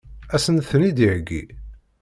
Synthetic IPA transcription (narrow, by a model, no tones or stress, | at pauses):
æsənθənid̪iʕɡːḭ